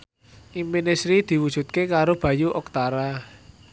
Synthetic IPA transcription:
ʔiminesɾid̪̥i̤wud̥ʒ̥ṳt̪̚kekaɾob̥ä̤juʔɔk̚t̪aɾa

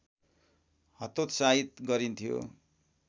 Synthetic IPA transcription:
hʌt̪ot̪sait̪ɡʌɾint̪ʰijo̰

